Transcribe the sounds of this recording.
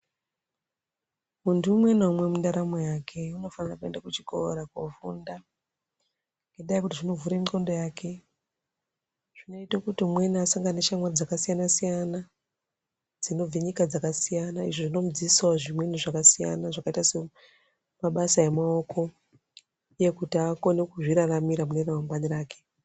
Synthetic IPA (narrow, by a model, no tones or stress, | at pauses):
muntʰuumwe̞naumwe̞mundaɾamojakʰe̞uno̞fanirakue̞ndakut͡ʃiko̰ɾakwavunda | ŋɡeɗajkutiʐino̞vuɾemiko̞ndo̞jakʰe̞ | ʐ̥ino̞itokutimweniasaŋɡaneʃamward͡zakasijanasijana | d͡zino̞b͡viɲikad͡zakasijanaiʐoʐino̞mud͡ziiswaoʐimwe̞niʐakasija̰naʐakaitase̞ | maɓasaemaokʰo̞ | uje̞kutiako̞ne̞kuʐiɾaramiɾamuneramambaniɾaːke̞